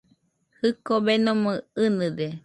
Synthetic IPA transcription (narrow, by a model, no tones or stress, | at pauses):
hɨkobenomɨɨnɨd̪e